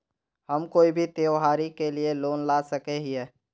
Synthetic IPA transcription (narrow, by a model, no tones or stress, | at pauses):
hɐmkoːibʱit̪eːʋɦaːɾikelieloːnlaːsəkeɦiɛː